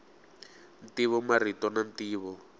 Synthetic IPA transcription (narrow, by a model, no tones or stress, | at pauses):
ntiβɔmaritɔnantiːβɔ